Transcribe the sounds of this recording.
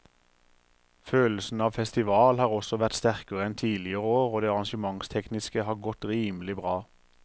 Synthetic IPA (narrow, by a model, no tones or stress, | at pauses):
føːlsn̩ɑːʋfɛst̪ɪʋɑːlhɑːʁɔsɔʋæt̪st̪æʁkəʁəɛnt̪ʰiːlɪəʁəoːʁoːd̪eːɑʁɑnʃəmɑŋst̪ʰɛknɪskəhɑːʁɡɔt̪ʁiːmlɪbʁɑː